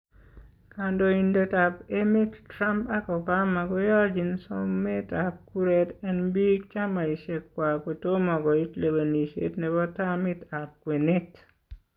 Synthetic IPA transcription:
kando˨indo˨ta˨pe˦mi˦tːɾa˦mpa˦kɔ˨ba˦ma˨ɡɔ˦ja˦d͡ʒi˨nsɔ˦me˦ta˨p̚ku˦ɾetɛ˦nbi˦k̚t͡ʃa˦ma˨i˨ʃe˨kːwa˨kwe˨to˦mɔ˨ɡɔ˨i˦tle˨wa˨ni˨ʃḛ˦tnɛ˨bɔ˦ta˦mɪ˦ta˨p̚kwe˨ne˦t

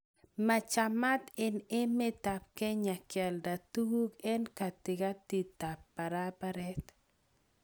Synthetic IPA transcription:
ma˨t͡ʃa˨ma˦t̪ɪ˨ne˦me˦t̪a˨p̚kɛ˦ɲa˨kja˨lda˨t̪u˦u˦kɛ˦nka˨t̪ɪ˨ka˦t̪i˨ta˨pːa˨ɾa˦pa˦ɾɛ˦t̪

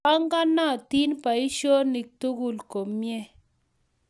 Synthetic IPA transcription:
a˦ŋɡa˦na˦˨t̪i˦npa˨i˦ʃo˦ni˨k̚t̪u˦ɡu˦lko˨mːjɛ˦

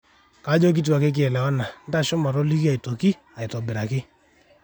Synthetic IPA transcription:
ka˨˦d͡ʒɔ˦k̬i˦t̬u˨a˨ke˦k̬ɪ˦ɛ˨lɛ˨wɔ˦na˨n̩˦ta˦ʃɔ˦ma˨ɾɔ˦li˦ki˦a˨i˨to˨ki˦ | a˨i˨tɔ˨bɪ˨ɾa˨kɪ˦

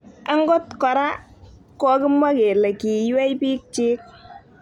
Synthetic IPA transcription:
a˦ŋɡo˦tkɔ˨ɾa˦ | kɔ˦kɪ˦mwa˦ke˨lɛ˨ki˨jwɛ˦jpiː˦k̚t͡ʃiː˦k̚

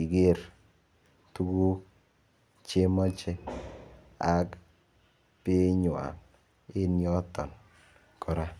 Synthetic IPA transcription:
i˨ɡe˦˨ɾ | tu˦ɡu˦ | t͡ʃe˦mɔ˦t͡ʃe˦ | a˨k | pɪ˦ɲwa̰˨ŋ | e˦njɔ˦tɔ̰˨n | kʰɔ˨ɾa˦

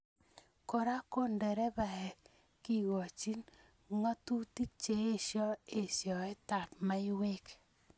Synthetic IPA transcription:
kɔ˨ɾa˦ko˦ndɛ˨ɾɛ˦βa˨ɛ˨ | ki˦ɣɔ˨t͡ʃi˦n | ŋa˦tu˦ti˦t͡ʃe˨e˦ʃjɔ˦e˨sjɔ˨ɛ˦ta˨p̚ma˦i˦we˦k

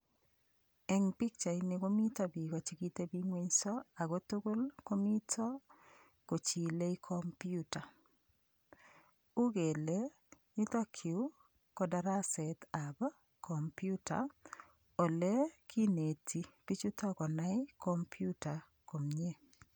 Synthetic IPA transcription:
ɛ˦ŋpi˦k̚t͡ʃa˨inɪ˨ko˦mi˦ta˦˨bi˨kɔ˨t͡ʃi˦ki˦te˦bi˦ŋwe˦ɲsɔ˦a˨ɡo˦tu˦ɡo˦lko˦mi˦tʰɔ˦ | ko˨t͡ʃi˨le˦i˦kʰɔ˦mpju˦ta˨ | u˦ɡe˨le˦ | ɲi˦t̪ɔ˦kʰi˨u˦ | kɔ˦da˦ɾa˦sɛ˨ta˨b | kɔ˨mpju˦ta̰˨ | o˨le˦kʰi˦ne˨tʰi˨ki˦t͡ʃu˦tɔ˦kɔ˨na˦ɪ˦kɔ˦mpʰju˦ta˨ | ko˨mɲe˦

